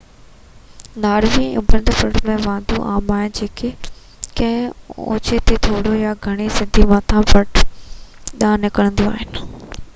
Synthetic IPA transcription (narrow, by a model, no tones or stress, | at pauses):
naːɾʋiʊ̰̃bə̃nd̪pəɽmẽʋãːnd̪ũʔaːmaːɦɪnɪ̆d͡ʑeːkʰe | kɐ̃ɦɪ̃o̰ːt͡ɕet̪ʰet̪ʰoːɽojaɡʱɐɽ̃isɪd̪ʱimãːt̪ʰãpɐʈ | ɗãːnɪkəɽ̃ə̃nd̪ũa̰ːɦɪnɪ